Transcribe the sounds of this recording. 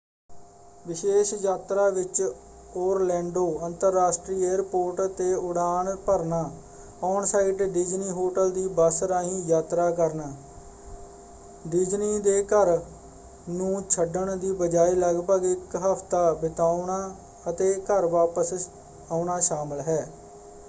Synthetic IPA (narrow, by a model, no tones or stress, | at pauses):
ʋɪʃeːʃjaːt̪ɾaːʋɪt͡ʃ | oːɾlɛ̃ːɳɖoːənt̪əɾːaːsʈɾiːeːɾpoːɾʈt̪eːʊɽaːɳpəɾnaː | ɔːnsaːiːʈɖid͡ʒniːɦoːʈəld̪iːbəsɾaːɦĩːjaːt̪ɾaːkəɾnaː | ɖɪd͡ʒniːd̪eːkəɾ | nũːt͡ʃʰəɖəɳd̪iːbəd͡ʒaːiːləɡpəɡɪkɦəpʰt̪aːbɪt̪aːnaː | ət̪eːkəɾʋaːpəs | aːʊɳaːʃaːməlɦɛː